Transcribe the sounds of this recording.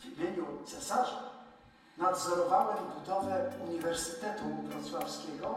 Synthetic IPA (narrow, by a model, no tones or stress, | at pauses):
vimʲjeɲut̪sɛsaʐ | nad̪zɔɾɔvawɘbud̪ɔvɛuɲivɛɾsɘ̥t̪ɛt̪uvɾɔt̪swafskʲɛɡɔ